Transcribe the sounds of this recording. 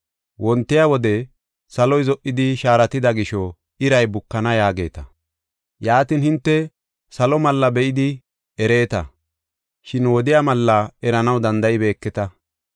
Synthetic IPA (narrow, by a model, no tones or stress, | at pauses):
wɔnt̪ːɛjawɔd̪ɛ | sɐlɔjzɔʔːɪd̪ɪʃaːɾɐt̪ɪd̪ɐɡɪʃɔ | ɪɾɐjbʊkːɐnɐjaːɡe̞̰ːt̪ɐ | jaːt̪ɪnhɪnt̪ːɛ | sɐlɔmɐlːɐbɛʔɪd̪ɪ | ɛɾe̞ːt̪ɐ̰ | ʃɪnwɔd̪ɪjamɐlːɐɛɾɐnɐwd̪ɐnd̪ɐʔɪbe̞ːkːɛt̪ɐ